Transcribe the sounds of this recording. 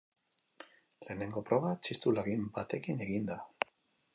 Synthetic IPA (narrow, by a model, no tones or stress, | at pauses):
le̞ːne̞ŋɡo̞pɾo̞βat͡ʃist̪ulaɣimbat̪e̞kine̞ɣind̪a